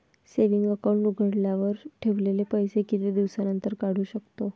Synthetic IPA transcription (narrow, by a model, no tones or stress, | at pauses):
seʋiŋɡəkəwɳnuɡʱəɽljaʋəɾʈʰeʋlelepəjsekit̪ed̪iʋsanənt̪əɾkaɽ̤uːɕəkt̪o